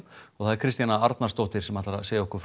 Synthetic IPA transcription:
ɔɣθaðɪɾkʰɾɪst̪janaaɾt̪nast̪owht̪ɪɾ̥sɛmhat̪laɾaseːjɪɔhkʏɾf

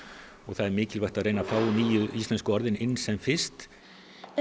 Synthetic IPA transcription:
ɔɣθaðɛɾmɪːcɪlvajht̪aðɾejnafaːwniːjʏist̪lɛnskʏɔɾðɪnɪnːsɛmfɪst̪

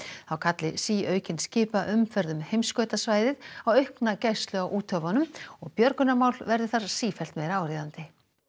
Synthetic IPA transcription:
θawkʰat̪lɪsiːœːɥcɪnscɪːpaʔʏmfɛɾðʏmhejmskœɥt̪asvaːjðɪðawœɥhknacajst̪lʏawʔuːt̪ʰœvɔnʏmɔɣpjœɾkʏnamaːwlvɛɾðɪθaɾ̥siːfɛl̥t̪mejɾaaːwɾiːðant̪ɪ

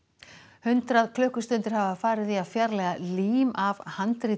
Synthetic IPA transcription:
hʏnt̪ɾaðkʰlœːhkʏst̪ʏnt̪ɪɾ̥havafaːɾɪðiafjaɾlɛɣaliːmavhant̪ɾiː

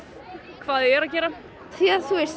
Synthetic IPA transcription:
kʰv̥aːðɛɾacɛːɾa | t̪ʰiaθuɛɾ

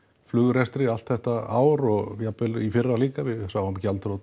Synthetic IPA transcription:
flʏɣʏɾɛst̪ɾɪalt̪θɛht̪aa̰ːwɾɔɣvjapːɪlifɪrːaliːkavɪðsaːwamcalt̪ɾowt̪

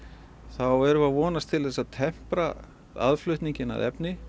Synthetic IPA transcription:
θawɛɾʏvaðvɔːnast̪ʰɪlθɛsːat̪ʰɛm̥pɾa | a̰ðflʏht̪niɲcɪna̰ðɛ̰pnɪ

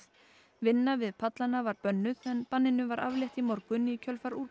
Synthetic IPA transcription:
vɪnːavɪðpʰat̪lanavaɾpœnːʏðɛnpanːɪnʏvaɾa̰vljɛht̪imɔɾkvʏnicʰœlfaɾuɾ

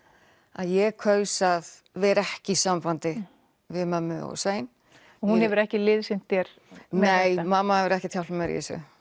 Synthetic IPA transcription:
aðjɛkʰœːɥsað | vɛːɾɛhcɪisamfant̪ɪ | vɪðmamːɪɔ̰seːjn | ɔhunhɛvʏɾɛhcɪlɪðsɪn̥t̪θjɛɾ̥ | nejmaːmːahɛvʏɾɛhcɪt̪ʰjawlmɛɾjɛ̰sʏ̰

